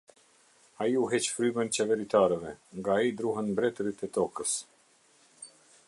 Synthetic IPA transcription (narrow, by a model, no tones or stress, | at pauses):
aiuɦɛt͡ʃfɾymənt͡ɕɛvɛɾit̪aɾɛvɛŋɡaːid̪ɾuɦɛnbɾɛt̪ɾit̪ɛt̪ɔkəs